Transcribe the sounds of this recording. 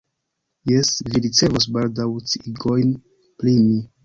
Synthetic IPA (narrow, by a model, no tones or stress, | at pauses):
jesviɾit͡se̞vos̬baldawt͡siɡo̞jn | plimi